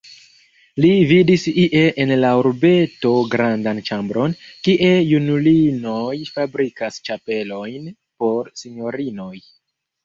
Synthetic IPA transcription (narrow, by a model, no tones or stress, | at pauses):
lividisiʔe̞ʔenlauɾbe̞to̞ɡɾandant͡ʃambɾo̞nkiʔe̞junulino̞jfabɾikast͡ʃape̞lo̞jn | po̞ɾsiɲo̞ɾino̞j